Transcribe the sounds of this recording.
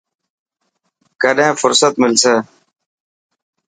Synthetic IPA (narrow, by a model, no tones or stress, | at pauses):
kəɗẽːfʊɾsət̪mɪlseː